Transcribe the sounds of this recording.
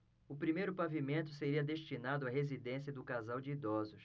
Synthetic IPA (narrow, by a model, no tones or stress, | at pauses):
ʊpɾimejɾʊpavimẽnt̪ʊseɾiɐd̪eʃt͡ʃinad̪ʊɐɦezid̪ẽsiɐd̪ʊkazawd͡ʒɪid̪ɔzʊs